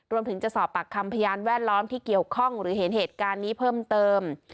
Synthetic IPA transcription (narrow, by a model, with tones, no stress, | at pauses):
ɾu˧əmt̪ʰɯ˩˦ŋt͡ɕa˨˩ʔsɔː˨˩pːa˨˩kʰːa˧mpʰa˧jaː˧nwɛː˥˩t̪̚lɔː˦˥mt̪ʰiː˥˩ki˨˩əwkʰɔ˥˩ŋɾɯː˩˦ɦe˩˦nɦeː˨˩t̪̚kaː˧nːiː˦˥pʰɤː˥˩mt̪ɤː˧m